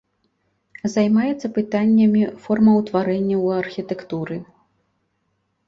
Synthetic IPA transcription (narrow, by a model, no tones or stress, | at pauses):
zajmajɛt̪sːɐpɨt̪anʲːɐmʲifɔrmɐwt̪vaɾɛnʲːɐwɐrxʲit̪ɛkt̪uɾɨ